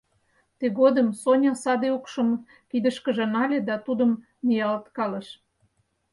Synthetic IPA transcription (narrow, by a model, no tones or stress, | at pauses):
t̪eɣod̪əmsonʲɑsɑd̪eukʃəm | kid̪əʃkə̆ʒĕnɑlʲed̪ɑt̪ud̪ə̆m | nijɑlt̪kɑlə̆ʃ